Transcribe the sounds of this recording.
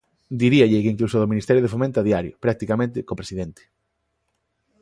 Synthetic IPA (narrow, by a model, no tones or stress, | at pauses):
d̪iɾiaʎɪkeiŋklusoðominist̪ɛɾjoð̞efomẽnt̪oaðjaɾjo̰pɾak̚t̪ikamẽnt̪ɪkopɾesiðent̪ɪ̥